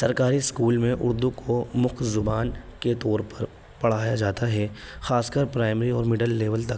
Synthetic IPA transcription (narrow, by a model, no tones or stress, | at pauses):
sɐɾkaːɾiskuːlmẽʔʊ̰ɾd̪ukomʊkʰzʊbaːnket̪ɔːɾpɐɾ | pɐɽ̤aːjad͡ʒaːt̪aɦɛːxaːskəɾpɾaːɪmɾiɔːɾmɪɖəlːeːʋəlt̪ɐk